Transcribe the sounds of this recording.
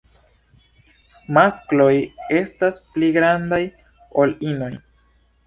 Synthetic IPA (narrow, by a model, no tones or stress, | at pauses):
masklo̞je̞staspliɡɾandaj | o̞lino̞j